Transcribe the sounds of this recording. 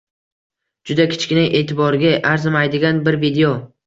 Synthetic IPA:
d͡ʒʊd̪akʲʰɪ̥t͡ʃkʲɪnɪjʔe̞ːt̪ʰɪbɒɾɡʲaʔaɾzɪmajd̪ɪɡʲanbɪɾvid̪eo

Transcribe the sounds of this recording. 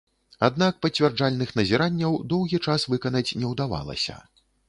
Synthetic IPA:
ad̪nak̚pɐt͡sʲvʲɛrd͡ʐalʲnɨxnɐzʲɛɾanʲːɐwd̪ɔwɣʲit͡ʂasvɨkɐnɐt͡sʲnʲɛwd̪ava̰lˠɐ̰sʲɐ̰

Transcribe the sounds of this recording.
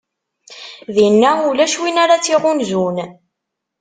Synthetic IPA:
ðinːæulæʃwinaɾat͡sːiʁʊnzun

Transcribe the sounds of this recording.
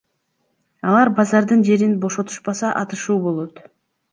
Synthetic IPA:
ɑlˠɑɾbɑzɑɾd̪ɯnd͡ʒe̞ɾinbo̞ʃo̞t̪u̥ʃpɑsɑʔɑt̪ɯʃuːbo̞lˠo̞t̪

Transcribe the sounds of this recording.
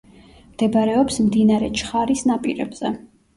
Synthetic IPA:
md̪̥ɛbaɾɛɔpsmd̪inaɾɛ̰t͡ʃʰχaɾisnapʼiɾɛ̰bz̥ɛ

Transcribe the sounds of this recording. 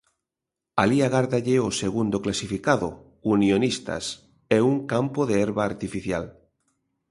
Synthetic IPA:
aliaɣaɾðaʎeoseɣund̪oklasifikaðo̰ | unjonist̪a̰s | ɛuŋkampoðeɛɾβaːɾt̪ifiθjal

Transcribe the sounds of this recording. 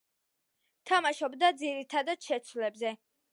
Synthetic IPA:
t̪ʰamaʃɔbd̪ad̪ziɾit̪ʰad̪ad̪̥ʃɛt̪sʰwlɛbzɛ

